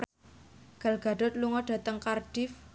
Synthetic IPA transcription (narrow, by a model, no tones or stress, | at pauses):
ɡ̥a̤lɡ̥a̤ɖʊt̪̚luŋɔɖ̥a̤t̪əŋkarɖ̥ɪf